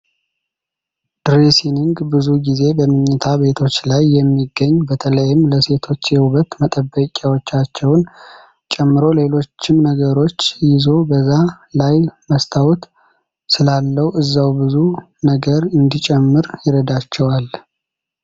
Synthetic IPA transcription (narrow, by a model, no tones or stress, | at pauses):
d̪̥ɾesinɨŋɡbɨzuɡize̞bəmɨɲːət̪ʰabe̞t̪ʰo̞t͡ʃːlajːɛmːiɡəɲːbət̪ʰələjɪmləse̞t̪ʰo̞t͡ʃːjɛhuβət̪mət̪ʼəbːəkʼawot͡ʃːat͡ʃːɛwn | t͡ʃʼɛmːɨɾo̞le̞lo̞t͡ʃːɪmnəɡəɾo̞t͡ʃːjɪzo̞bəzːa | lajməst̪ʰawut̪ | sɨlalːəwʔɨzːawbɨzu | nəɡəɾɨnd̪it͡ʃʼɛmːɨɾjɪɾəd̪at͡ʃːɛwal